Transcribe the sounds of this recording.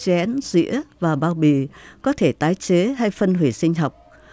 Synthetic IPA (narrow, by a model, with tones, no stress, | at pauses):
t͡ɕɛ˨˦nzḭ˧˥əvaː˨˩ɓaː˧˩wɓi˨˩kɔ˨˦t̪ʰe˧˩t̪aː˨˦jt͡ɕe˨˦ɦa˧jfə˧nɦwi˧˩sï˧ŋ̟ɦɔ˨˩wk͡p̚